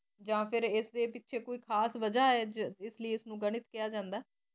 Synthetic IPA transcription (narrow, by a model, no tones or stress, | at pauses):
d͡ʒãːpʰɪɾɪsd̪eːpɪtːʃʰeːkoːiːkʰaːsʋəd͡ʒaːɦɛːɪsləiːɪsnũːɡəɽ̃ɪt̪kɪjaːd͡ʒãːnd̪aː